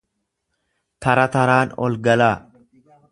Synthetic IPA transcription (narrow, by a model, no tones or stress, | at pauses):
t̪ɐɾɐt̪ɐɾaːnɔ̰lɡɐlaː